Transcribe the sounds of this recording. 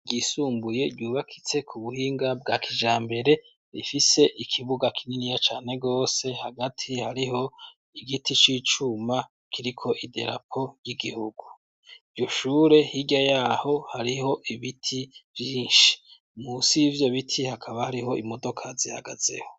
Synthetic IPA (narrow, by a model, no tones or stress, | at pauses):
ɟisuːmbuje̞dɟuːβakʰit͡se̞kʰuβuhiːŋɡabɡakʰiʒaːmbe̞ɾe̞ | ɾifise̞ʔikʰiβuɡakʰininijat͡ʃaːne̞ɡo̞ːse̞haɡatʰihaɾiho̞ | iɡitʰit͡ʃit͡ʃuma | kʰiɾikʰo̞ʔidḛɾa̰pʰo̞jiɡihuɡ̥u | ivɟo̞ʃuːɾe̞hiɟajaho̞haɾiho̞ʔiβitʰivjiːnʃi̥ | musivjo̞βitʰihakʰaβahaɾiɦo̞imo̞do̞kʰaziha̰ɡa̰z̥ḛho̞